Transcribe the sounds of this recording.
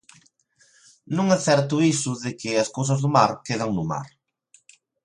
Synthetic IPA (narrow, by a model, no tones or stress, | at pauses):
nõŋɛθɛɾt̪ʊisʊðɪkɪɐskowsɐzðʊmaɾkeðaŋnʊma̰ɾ